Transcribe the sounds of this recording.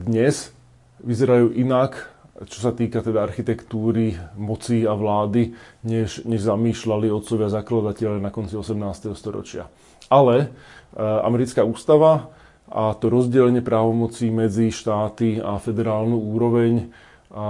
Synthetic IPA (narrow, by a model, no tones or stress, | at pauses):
d̪ɲɛz | ʋizɛɾajuːʔinakt͡ʃɔ̥sat̪iːkat̪ɛd̪aaɾxit̪ɛkt̪uːɾimɔt͡siːaʋlaːd̪iɲɛʃɲɛʒzamiːʃlaliɔt̪t͡sɔʋɪazaklad̪acɛʎanakɔnt͡siɔsɛmnaːst̪ɛɦɔst̪ɔɾɔ̰t͡ʃɪa̰ | alɛ | a̰mɛɾit͡skauːst̪aʋa | ʔat̪ɔɾɔzɟɛlɛɲɪɛpɾaːʋɔmɔt͡siːmɛd͡ziʃt̪aːt̪ia̰fɛd̪ɛɾaːlnuːuːɾɔʋɛɲ